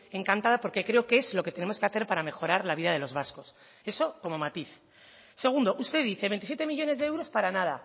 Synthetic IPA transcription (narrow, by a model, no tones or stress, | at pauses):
e̞ŋkant̪að̞apo̞ɾke̞kɾe̞okee̞zlo̞ke̞t̪e̞ne̞mo̞ske̞aθeɾpaɾame̞xo̞ɾaɾlaβiðað̞e̞lo̞zβasko̞s | e̞so̞ko̞mo̞mat̪iθ | se̞ɣ̞und̪o̞ʔust̪eðiθeβe̞nt̪isje̞t̪e̞miʝo̞ne̞zðeewɾo̞spaɾanað̞a̰